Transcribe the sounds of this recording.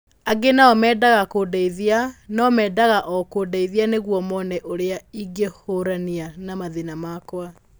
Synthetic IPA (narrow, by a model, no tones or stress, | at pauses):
aɡenaɔmɛːdaɣakoːdaiðianɔmɛːdaɣaʔɔkoːdaiðianeɣwɔmɔnɛʔoɾeaiɡehoɾanianamaðinamakwa